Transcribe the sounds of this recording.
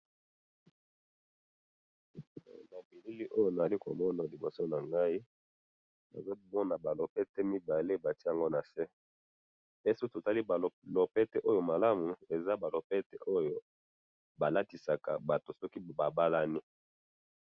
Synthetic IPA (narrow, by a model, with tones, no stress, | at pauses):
na˨bi˨li˦li˦ʔo˦jo˦na˨za˨li˦ko̰˨mɔ˦na˨li˨bo˨so˦na˨ŋɡa˦i˦ | ba̰˨za˦mɔ˦na˨ba˨lo˨pɛ˦tɛ˦mi˦ba˨le˦ba˨tja˨ŋɡo˦na˨sɛ˦ | bɛ˦su˦to˨ta˦li˦˨lo˨pɛ˦tɛ˦ʔo˦jo˨ma˨la˦mu˨e˨za˦ba˨lo˨pɛ˦tɛ˦ʔo˦jo˦ | ba˨la˦ti˨sa˨ka̰˨ba˨to˨sɔ˦ki˦ba˨ba˦la˦ni˦